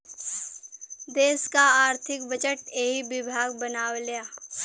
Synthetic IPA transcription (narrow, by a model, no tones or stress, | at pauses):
d̪eːskaaːɾt̪ʰɪkbət͡ʃəʈeːɦibɪbʱaːɡ̚bənaːwlejaː